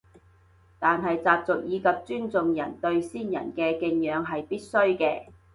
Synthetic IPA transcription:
t̪aː˨nɦɐ˨jt͡saː˨p̚t͡sʊ˨k̚jiː˨˧kɐ˨p̚t͡ʃyː˥nt͡sʊ˨ŋjɐ̰˨˩nt̪ɵ˧ɥsiː˥njɐ̰˨˩nkɛː˧kɪ˧ŋjœː˨˧ŋɦɐ˨jpiː˥t̚sɵ˥ɥkɛː˧

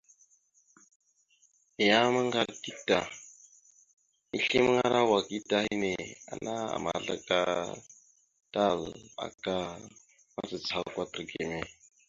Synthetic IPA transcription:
i˨ja˦ma˦ŋɡa˨ɾti˦ta˨ | i˦ɬi˦m˦ŋa˦ɾa˦wa˨ki˦ta˦hi˦ne˨a̰˨na˦a̰˨ma̰˨ɮa̰˦ka˦ | ta˦˨la̰˨ka˦ | ma˦t͡sə˨t͡sa˨˦kwa˦tə˨ɾɡe˨me˨

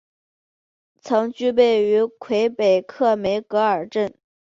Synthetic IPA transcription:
t͡sʰɤ˧˥ŋt͡ɕy˥˧p̬e˥˩ɪy˧˥kʰwe˧˥ɪpe˨˩ɪkʰɤ˥˩me˧˥ɪkɤ˧˥ə˞˨˩ʈ͡ʂə˥˩n

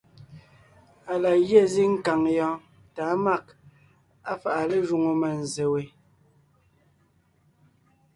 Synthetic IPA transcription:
a˨la˨ɣje˦˨zi˦ŋ̩˦ka˨ŋjɔ̃ː˦ | ta˨˦ma˦˨k̚ | a˦fa˨ʔa˨le˦ʒu˨ŋo˨mɛ˨n̩˨ze˨we˨

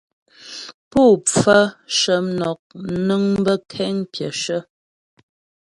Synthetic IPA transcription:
pu˦˨p͡fə˦ʃə˨˦nɔ˨k̚nə˦ŋbə˦kʰɛ˦ŋpjə˨ʃə˦

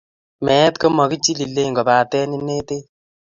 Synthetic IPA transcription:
mɛ˨˦tko˦mɔ˨ki˦t͡ʃi˦li˨lːe˦˨ŋɡɔ˨baː˨tɛ˦ni˦ne˦te˦

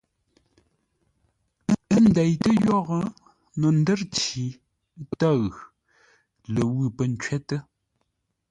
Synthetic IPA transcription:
ə˦n̩˨˦dɛ˨jtə˦jɔ˦ɣə˦ | no˨n̩˦də˦ɾt͡ʃi˨˦ | ta˦˨ɣ | lə˨wɨ˦˨pə˦˨n̩˨t͡ʃɥɛ˦tə˦

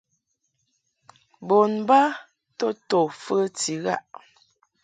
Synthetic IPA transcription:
bo˨nba˦ | to˦to˨fə˦ti˨˦ɣa̰˦ʔ

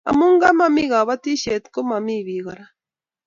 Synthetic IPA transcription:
a̰˨mu˦ŋɡa˦ma˦mi˦ɣa˨βa˦t̪i˦ʃe˨t̪ko˦ma˨mi˦βi˨ɣaɾa

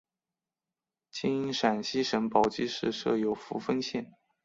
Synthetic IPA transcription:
t͡ɕi˥ŋi˥ʂa˨˩nɕi˥ʂə˧˥npɑ˨˩ʊt͡ɕi˥ʂɻ̩˥˧ʂɤ̰˥˩jo˧˥ʊfu˧˥fə˥nɕjɛ˥˩n

